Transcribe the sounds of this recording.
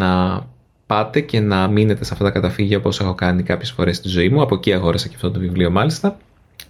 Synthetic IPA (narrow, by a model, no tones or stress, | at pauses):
ɐ | pɐt̪e̞ce̞nɐmine̞t̪esɐft̪ɐt̪ɐkɐt̪ɐfiʝɐopo̞se̞xo̞kɐnikɐpçe̞sfo̞ɾe̞st̪izo̞imuɐpo̞ciɐɣoɾɐsɐceɐft̪ot̪ovivlio̞mɐlist̪ɐ